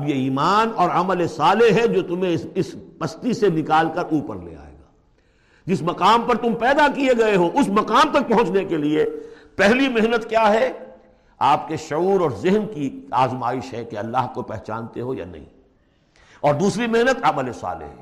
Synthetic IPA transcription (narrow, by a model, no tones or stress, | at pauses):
ɐbjeiːmaːnɔːɾɐməlesaːlɪɦɦɛd͡ʒoːt̪ʊmɦẽɪspɐst̪isenɪkaːlkɐɾʔuːpəɾlḛa̰ːḛːɡaː | d͡ʒɪsmɐqaːmpɐɾt̪ʊmpɛːd̪akieɡɐeɦoʔʊsmɐqaːmt̪ɐk̚pɐ̃ɦʊ̃t͡ʃnekeliepɛɦlimɪɦnət̪kjaːɦɛ | aːpkeʃʊuːɾɔːɾzɪɦnkiaːzmaːɪʃɦɛkeɐlːaːɦkopɛɦt͡ʃa̰ːnt̪eɦoja̰nɐ̰ɦḭ̃ | ɔːɾd̪uːsɾimɪɦnət̪ɐməlesa̰ːlɪ̰ɦɦɛː